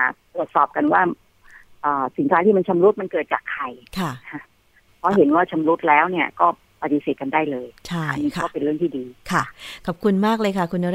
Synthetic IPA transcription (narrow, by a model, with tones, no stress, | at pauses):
a˩t̪ɾu˨˩ət̪̚sɔː˨˩p̚ka˧nwaː˥˩ | ʔɤː˨˩si˨˩˦nkʰaː˦˥t̪ʰiː˥˩ma˧nt͡ɕʰa˧mɾu˦˥t̪̚ma˧nkɤː˨˩t̪̚t͡ɕa̰ː˨˩kʰːa˧˩jkʰa˥˩kʰa˦˥ | pʰɔ˦˥ɦe˩˦nwaː˥˩t͡ɕʰa˧mɾu˦˥t̪̚lɛː˦˥wni˥˩ɐkɔː˥˩ | pa˨˧t̪i˧seː˨˩t̪̚ka˧ndaː˥˩jlɤː˧jt͡ɕʰa˥˩˦a̰˨niː˦˥kʰa˥ɔː˥˩pe˧nɾɯ˥˩ŋt̪ʰiː˥˩diː˧kʰa˥˩kʰɔ˨˩p̚kʰu˧nmaː˥˩k̚lɤː˧jkʰa˥˩kʰu˧nʔa˧ɾ